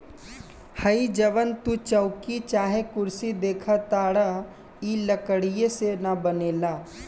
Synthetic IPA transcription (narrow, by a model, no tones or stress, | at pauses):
həid͡ʒəʋənt̪ut͡ʃəʊkit͡ʃaːɦekʊɾsid̪eːkʰat̪aːɽa | iləkəɽijesenabəneːlaː